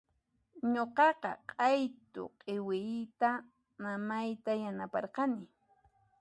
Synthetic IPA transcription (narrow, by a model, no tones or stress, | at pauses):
ɲoqɑqɑ̰qʼɑjt̪ʊ̰qʼewɪt̪a | mamajt̪ajanapɑ̰ɾqɑnɪ